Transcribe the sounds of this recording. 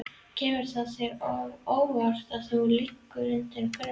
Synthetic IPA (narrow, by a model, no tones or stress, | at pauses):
cʰɛːmʏɾ̥θasjɛɾɔvoːwvar̥t̪aðθulikːʏɾʏnt̪ɪɾkʰɛɾ